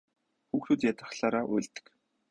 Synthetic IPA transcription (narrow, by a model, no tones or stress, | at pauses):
xuːxt̪uːt̪jat̪ə̆χɬaːɾaːʔṵjɮt̪ɘ̥̆k